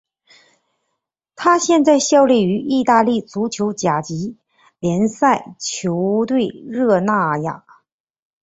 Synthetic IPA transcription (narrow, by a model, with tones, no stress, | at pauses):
t̪ʰa˥ɕjɛ˥˧nt͡sa˥˧ɪɕjɑ˥˧ʊli˥˩y˧˥ʔi˥˧t̪a˥˧li˥˩t͡su˧˥t͡ɕʰjo˧˥ʊt͡ɕja˨˩t͡ɕi˧˥ | ljɛ˧˥nsa˥˩ɪt͡ɕʰjo˧˥ʊt̪we˥˧ɪɻɤ˥˧na˥˩ja̰˨˩˦